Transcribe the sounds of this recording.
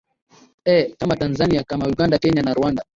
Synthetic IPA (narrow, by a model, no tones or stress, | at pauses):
ɛkamatanzaniakamauɠandakɛɲanaɾuanda